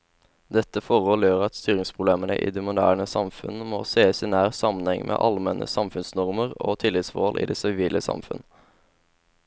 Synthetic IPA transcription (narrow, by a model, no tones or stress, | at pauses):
d̪ɛt̪əfɔʁhɔljøːʁɑt̪st̪yːʁɪŋspʰʁʊbleːmənəʔḭːd̪eːmʊd̪æːʁnəsɑmfʉnmoːseːəsɪnæːʁsɑmənhɛŋmʔḛːʔɑlmɛnʔə̰sɑmfʉnsnɔʁməʁo̰ːt̪ʰɪlːɪt̪sʋoːlʔḭːd̪eːsɪʋiːlʔəsɑ̰mfʉ̰n